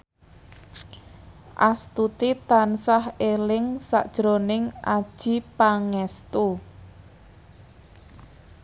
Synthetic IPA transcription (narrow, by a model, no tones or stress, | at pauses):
ʔast̪ut̪it̪ansahelɪŋsa̰ʔd̥ʒ̥ɾonɪŋʔad̥ʒ̥i̤paŋɛst̪u